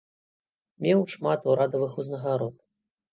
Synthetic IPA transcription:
mʲɛwʂmat̪uɾad̪ɐvɨxuznɐɣaɾɔt̪

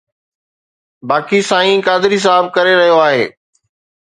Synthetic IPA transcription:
baːkisãːĩːkaːd̪ɪɾis̬aːɦəb̚kɐɾeɾɐɦijoaːɦḛː

